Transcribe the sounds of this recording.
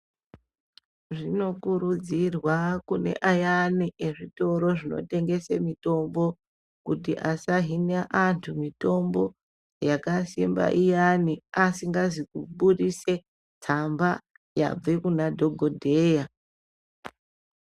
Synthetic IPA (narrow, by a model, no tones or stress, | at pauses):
ʐino̞kuɾud͡zirwakune̞̰ʔajaniʔe̞ʐito̞ɾo̞ʐino̞̰te̞ŋɡe̞semito̞mbo̞ | kutiʔasaɦinaʔantʰumito̞mbo̞ | jakasimba̰ʔijaniasiŋɡazikuɓuɗise̞ | tʰamba | ja̰b͡vekunadʱo̞ɡʱo̞dʱe̞ːja